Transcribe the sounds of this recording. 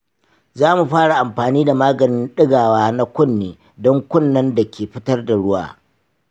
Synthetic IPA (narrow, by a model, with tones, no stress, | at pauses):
zaː˦mu˨ɸaː˦ɽa˨ʔa˨mɸaː˨niː˦da˨maː˦ɡɐ˨nɪ˦nɗɪ˦ɡaː˨waː˦na˦kʷʊ˦nːeː˨ | dɔ˦ŋkʷʊ˦˨nːɐ˦nda˨kʲeː˨ɸɪ˦tɐ˦rda˨ɽʊ˦wa̰ː˨